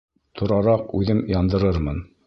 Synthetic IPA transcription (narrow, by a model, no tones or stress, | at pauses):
t̪ʰŏɾɑɾɑqʉðɘmjɑnd̪ɤ̆ɾɤɾmɤn